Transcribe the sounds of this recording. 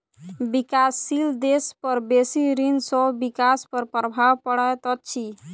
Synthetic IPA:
bikasːild̪espəɾbesiɾinsɔbikaspəɾpɾəbʱawpəɽət̪ɔtːt͡ʃʰi

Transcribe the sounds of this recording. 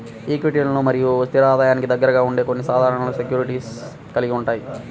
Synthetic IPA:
iːkʋiʈelɐnuːmɐɾijust̪ʰiɾaːd̪aːjaːnikid̪ɐɡːɐɾɐɡaːuɳɖe̞ːkonːisaːd̪ʱaːɾɐɳɐluːsekjuːɾiʈiːs | kɐliɡiuɳʈaːji

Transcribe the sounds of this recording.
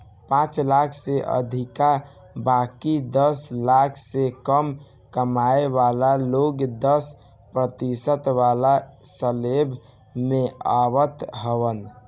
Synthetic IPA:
pãt͡ʃlakʰseʔə̰d̪ʱika | bakid̪əslakʰsekəm | kəmaeβalaloɡd̪əs | pɾət̪isət̪ʋalasəleb | meaʋət̪ɦəβən

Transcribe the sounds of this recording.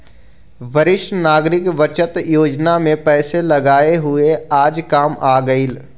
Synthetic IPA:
ʋəɾɪʃnaːɡɾɪkʋət͡ʃət̪joːd͡ʒnamẽpɛːselɐɡaːeɦʊeaːd͡ʒkaːmaːɡəiːl

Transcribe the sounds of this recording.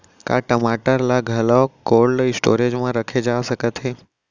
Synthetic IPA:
ka̰ʈəmaʈəɾlaɡʱəlɔkolɖisʈo̰ɾed͡ʒmãɾəkʰed͡ʒaʋsəkət̪ʰe

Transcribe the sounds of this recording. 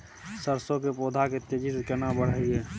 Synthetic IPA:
səɾsokepoːd̪ʱaket̪ed͡ʒisekenabəɽ̤aie

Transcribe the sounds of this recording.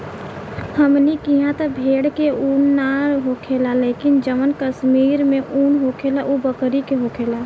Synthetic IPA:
həmnikiɦãt̪əbʱeːɽkeuːnːaɾɦokʰelaleːkɪnd͡ʒəmənkəsmiːɾmẽʔuːnɦokʰeːlaʔubəkɾikeɦokʰeːla

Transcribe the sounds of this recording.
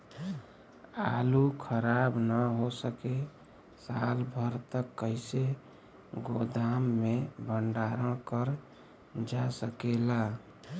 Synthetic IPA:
alukʰəɾabnəɦosəke | salbʱəɾt̪əkːəɪse | ɡod̪amːebʱəɳɖaɾəɽ̃kəɾ | d͡ʒasəkela

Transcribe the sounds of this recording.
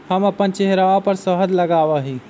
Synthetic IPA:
həməpənt͡ʃeɦɾaʋapəɾsəɦəd̪ləɡaʋəɦi

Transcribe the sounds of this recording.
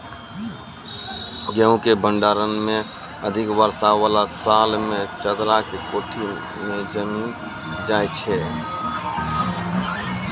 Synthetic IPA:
ɡə̃ũkebʱəɳɖaːɾənmẽ | əd̪ʱɪkʋəɾsaʋalasalmẽt͡ʃəd̪ɾakekoːʈʰi | mẽd͡ʒəmin | d͡ʒajt͡ʃʰɛ

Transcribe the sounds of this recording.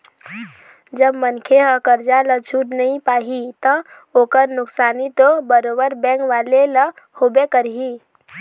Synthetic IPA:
d͡ʒəbmənkʰeɦəkəɾd͡ʒalət͡ʃʰuʈnəĩpaːɦit̪ə | oːkəɾnʊksaːnit̪obəɾoːbəɾbɛ̃ːkʋaːlelə | hoːbekəɾɦi

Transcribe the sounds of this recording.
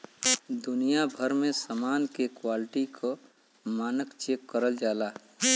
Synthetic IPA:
d̪ʊnijabʱəɾmẽsəmaːnkekwalɪʈikʰo | maːnəkt͡ʃekːəɾəld͡ʒaːlaː

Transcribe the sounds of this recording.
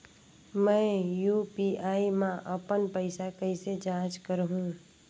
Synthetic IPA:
mɛ̃ːjuːpiaːimãʔəpənpəɪsakəɪsed͡ʒãːt͡ʃkəɾɦũː

